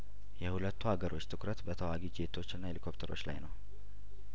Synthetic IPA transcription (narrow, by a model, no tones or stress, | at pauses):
jɛhulət̪ʰːuhaɡəɾʔo̞t͡ʃːt̪ʰɨkɾət̪bət̪ʰəwaɡid͡ʒet̪ʰo̞t͡ʃːɪnːaelikʰo̞pt̪ʰəɾo̞t͡ʃːla̰jnəw